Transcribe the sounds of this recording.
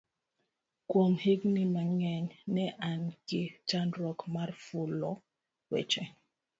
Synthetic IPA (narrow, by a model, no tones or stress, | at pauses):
kwomheɡnimaŋɛɲnɛʔankɪt͡ʃanɾɔkmarfulɔ | wɛ̰t͡ʃɛ